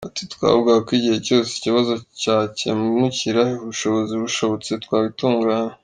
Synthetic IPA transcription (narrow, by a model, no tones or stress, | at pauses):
atitkwa̰ːβuɡakwiɟihe̞co̞ːseiciβazo̞caːce̞̰mumuciɾahiuβuʃo̞βo̞ziβuʃo̞βo̞t͡se̞tkwaːβituːŋɡaːɲe